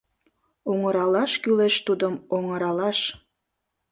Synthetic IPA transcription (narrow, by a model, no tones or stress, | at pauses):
oŋəɾɑlɑʃkyleʃt̪ud̪əmoŋəɾɑlɑʃ